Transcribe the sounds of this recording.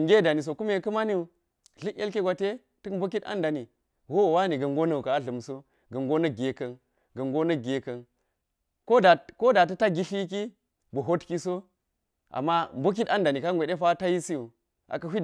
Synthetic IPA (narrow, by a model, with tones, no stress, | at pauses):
ŋɡe˦da˨ni˨s̬o˨ku˦me˨kɐ˦ma˦ni˦˨ | ɮi˦ke˦lke˦ɡʷa˨te˦ | tə˦kmbo˦ki˦ta̰˦nda˨ni˨ | wo˦wwa˦ni˨ɡɐ˨ŋɡo˦nɐ˨u˨ka˨a˦ɮɐ˨mso˦ | ɡɐ˨ŋɡo˦nɐ˦ɡʲe˨kɐ˨n | ɡɐ˨ŋɡo˦nɐ˦ɡe˨kɐ˨n | ko˦da˨ko˦da˨tɐ˦ta˦ɡʲi˦ɬi˦k̬i˦ | bu˨ɦo˦tki˦so˦ | ʔa̰˨mːa˦mbo˦k̬i˦ta˦nda˨ni˨ka˦ŋɡʷe˨de˦fa˦ta˦ji˦si˦u˨ | a̰˨kɐ˨ɦʷi˦